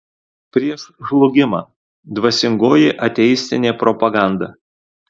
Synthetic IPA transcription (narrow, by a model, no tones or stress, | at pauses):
pʲɾʲiɛʃʒlˠʊɡʲɪmɑ̰ː | d̪ʋɐsʲɪŋɡoːjɪʔɐt̪ʲɛjɪsʲt̪ʲɪnʲeːpɾɔpɐɡɑˑnd̪ɐ